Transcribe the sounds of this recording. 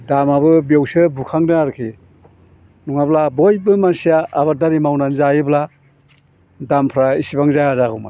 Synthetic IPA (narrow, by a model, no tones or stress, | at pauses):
damabɯbewsɯbukʰaŋnɯaɾkʰi | nuŋablabojbɯmansijaʔːβaɾdaɾimawnanzajɯbla | dampʰɾaisibaŋzajazaɡuma̰